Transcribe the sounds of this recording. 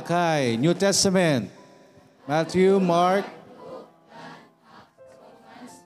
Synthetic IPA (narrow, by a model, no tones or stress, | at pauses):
kʰajɲutʰɛstəmɛnt̚ | mat̪ʰjumaɹk̚